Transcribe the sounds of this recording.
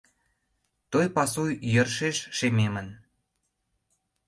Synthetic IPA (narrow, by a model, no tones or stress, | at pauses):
t̪ojpɑsujjərʃeʃʃememə̆n